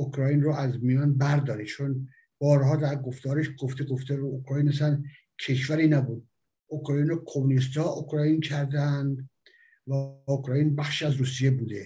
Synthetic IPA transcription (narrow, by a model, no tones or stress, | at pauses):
okʰɾɒjinroʔæzmijɒːnbæɾd̪ɒːɾit͡ʃʰon | b̥ɒːɾɦɒːd̪æɾɡo̞ft̪ɒːɾeʃɡoft̪eɡoft̪eɾuokʰɾɒːjiːnæsæn | cʰe̞ʃvæɾiːnæbuːd̪̚ | okʰɾɑːjiːnɾoːkʰomunist̪ɒːʔokʰɾɒːjincʰæɾd̪ænd̪ | væokʰɾɒːjinbæxʃiæzɾuːsijebuːd̪e